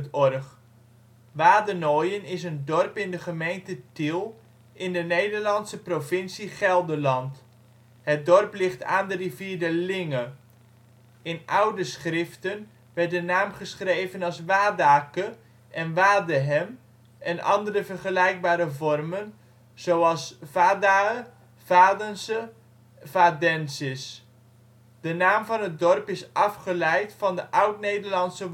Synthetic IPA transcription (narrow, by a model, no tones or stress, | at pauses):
tɔrχ | ʋaːdənoːjənɪsəndɔrpɪndəχəmejntətilˠ | ʔɪndənejdərlɑntsəprovɪnsiχɛlˠdəlɑnt | hət̚dɔrplɪχtaːndəriviːdəlɪŋə | ɪnawdəsχrɪftən | ʋɛrt̚dənaːmχəsχrejvənɑlˠsʋaːdaːkə | ʔɛnʋaːdəɦɛm | ʔɛnɑ̰ndəɾəvərχəlɛjk̚baːɾəvɔrmən | z̥owɑlˠsvaːda | v̥aːdənsə | vadɛnsɪs | d̥ənaːmvɑnət̚dɔrpɪsʔɑfχəlɛjtfɑndəʔʌwtnejdərlɑnsə